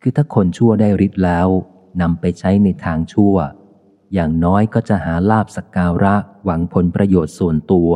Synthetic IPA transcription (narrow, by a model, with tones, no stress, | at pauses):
kʰɯː˧t̪ʰaː˥˩kʰo˧nt͡ɕʰu˥˩ɐdaː˥˩jɾi˦˥t̪̚lɛː˦˥w | na˧mpa˧jt͡ɕʰa˦˥jna˧jt̪ʰaː˧ŋt͡ɕʰu˥˩ə | jaː˨˩ŋnɔː˦˥jkɔː˥˩t͡ɕa˨˩ʔhaː˩˦laː˥˩p̚sa˨˩kaː˧ɾa˦˥ʔwa˩˦ŋpʰo˩˦npɾa˧joː˨˩t̪̚su˨˩ənt̪u˧ɐ